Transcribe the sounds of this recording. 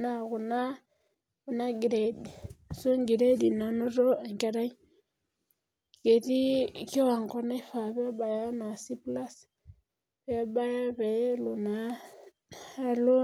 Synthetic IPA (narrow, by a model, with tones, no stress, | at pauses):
na˨ɣu˨na˦ | u˦na˦ɡi˨ɾe˨di˨so˦ŋɡi˨ɾe˦di˨na˨no˦ɾɔ˦ɛ˨ŋka˨ɾa˦ɲi˦ | ke˨ti˦ki˦wa˨ŋkɔ˦na˦i˦fa˨βɛ˦a˦ba˨ja˦na˨si˦pla˦s | βɛ˦a˦ba˦ja˦βɛ˨lu˨na˨ | a˦lo˦